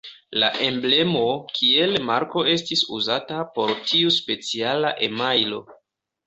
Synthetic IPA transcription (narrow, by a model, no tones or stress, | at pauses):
laʔe̞mble̞mo̞kʰie̞lmaɾko̞e̞s̬tisuzatapo̞ɾtʰiuspe̞t͡sialaʔemajlo̞̰